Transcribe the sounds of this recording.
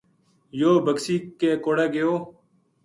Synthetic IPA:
joːbəksiːkːeːkoːɽeːɡejoː

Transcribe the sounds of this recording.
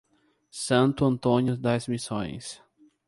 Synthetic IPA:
sɐ̃nt̪ʊɐ̃nt̪õnjʊd̪azmisõ̰j̃s

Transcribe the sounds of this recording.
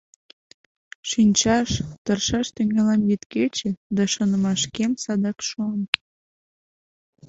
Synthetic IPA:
ʃinʲt͡ɕɑʃt̪ərʃɑʃt̪eŋɑlɑmjit̪ket͡ɕĕd̪ɑʃonə̆mɑʃkemsɑd̪ɑkʃon

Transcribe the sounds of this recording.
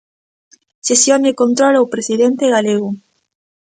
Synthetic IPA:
sesjonekont̪ɾolawpɾesiðent̪eɣaleɣu

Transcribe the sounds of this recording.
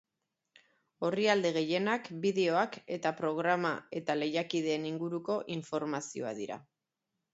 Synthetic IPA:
o̞riald̪e̞ɣe̞je̞nakbiðe̞o̞ake̞t̪apɾo̞ɣ̞ɾama̰e̞t̪ale̞jakið̞e̞ːniŋɡuɾuko̞ʔiɱfo̞ɾmasio̞̰a̰ðiɾa̰

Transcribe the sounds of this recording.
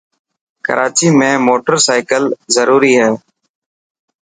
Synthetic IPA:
kə̰ɾaːt͡ʃiːmẽːmoːʈəɾsaːɪkəlzəɾuːɾiːɦɛː

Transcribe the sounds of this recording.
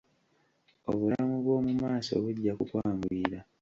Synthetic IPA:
oβulamuβwo̞ːmumaːso̞̰βuɟːakukwaːmbuiːɾa

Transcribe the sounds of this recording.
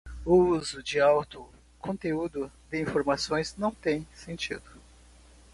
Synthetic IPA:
ʊuuzʊd͡ʒɪawt̪ʊ | kõnt̪eud̪ʊd̪ɪĩfoɾmasõj̃znɐ̃w̃t̪ẽj̃sẽnt͡ʃḭd̪ʊ

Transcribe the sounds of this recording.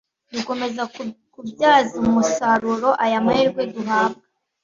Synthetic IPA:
duko̞me̞zakubjaːzimusaɾuɾo̞ʔajameɾɡweduɦaːb̚ɡa

